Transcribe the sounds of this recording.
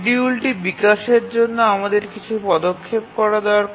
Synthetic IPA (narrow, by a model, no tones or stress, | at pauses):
ɖiulʈibikaʃeɾd͡ʑonːoamad̪eɾkit͡ɕʰupɔd̪okʰːep̚kɔɾad̪eoaɾ